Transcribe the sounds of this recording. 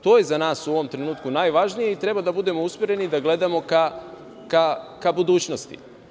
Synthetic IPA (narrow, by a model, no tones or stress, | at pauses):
t̪o̞ːjezanaːsuo̞ʋo̞mt̪ɾe̞nuːt̪kunaːjʋaʒnije̞it̪ɾe̞bad̪abud̪e̞mousmeɾe̞nid̪aɡle̞d̪amo̞ka | kakabud̪uːt͡ɕno̞st̪ḭ